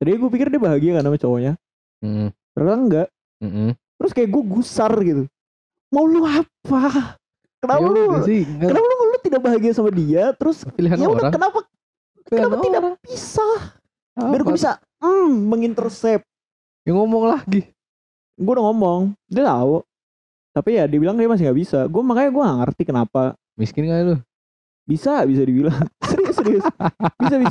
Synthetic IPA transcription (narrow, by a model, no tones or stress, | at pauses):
t̪abiɡuap̬ikɪrdiabaɦaɡiakanamat͡ʃoɲa | m̩t̪əɾaaŋɡaʔ | m̩t̪əɾʊskajaʔɡuaɡusarɡit̪u | mauluapa | kənapalokənapalulʊt̪idak̚baɦaɡiasamadiat̪əɾʊsfiliɦanjaudaɾakənapa | kkənapat̪idapisah | biɾɡuabisa | m̩ːəŋint̪ərsɛp̚ | jaŋomɔŋlahɡi | ɡuadaŋɔmɔŋdat̪au | t̪apijadiabilaŋkadamas̬ɪŋɡaʔbisaɡuamakajaɡuaŋaŋə̰rt̪ikənapa | miskɪnɡalʊ | bisabis̬adibilaŋsəɾisɾisbisabi